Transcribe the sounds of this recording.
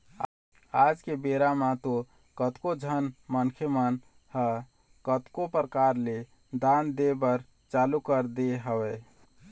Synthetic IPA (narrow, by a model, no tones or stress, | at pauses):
ad͡ʒkebeɾamãt̪o | kət̪kod͡ʒʱənmənkʰjəmən | hə | kət̪kopɾəkaɾle | d̪and̪ebəɾ | t͡ʃalukəɾd̪eɦəwɛ